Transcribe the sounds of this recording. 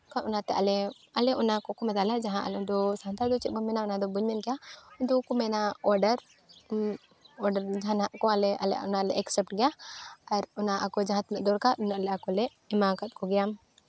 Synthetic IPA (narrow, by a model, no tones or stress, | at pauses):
kanʔɔnãt̪ɛʔalɛ | ɐlɛʔʊnakɔkumɛd̪alad͡ʒaɦãʔɐ̰lɛʊnd̪ɔsant̪ad̪ɔt͡ʃɛʔ̪̚bɔmɛnaʊnãd̪ɔbuɲːɛnɡɛjaʊnd̪ɔkumɛnaɔɾɖəɾ | ɔɖəɾd͡ʒanaʔkɔalɛʔa̰lɛ̰ʊnalɛʔɛksɛp̚ʈɡɛjaɐɾʊnãʔakɔd͡ʒaɦãt̪lʔd̪ɔɾkaʊnalɛakɔlɛ | ɛmakat̪̚kɔɡɛjam